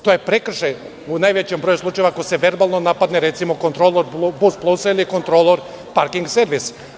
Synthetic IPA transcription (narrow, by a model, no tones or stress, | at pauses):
t̪ojepɾekr̩ʃej | unajʋet͡ɕembɾojuslˠut͡ʃajeʋakoseʋe̞ɾbalˠnonapad̪neɾe̞t̪simoko̞nt̪ɾoloɾbusplˠusiliko̞nt̪ɾolˠoɾ | paɾkiŋɡseɾʋis